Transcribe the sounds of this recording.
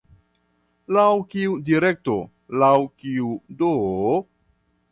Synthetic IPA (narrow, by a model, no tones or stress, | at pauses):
lawkiudiɾe̞k̚to̞ | lawkiudo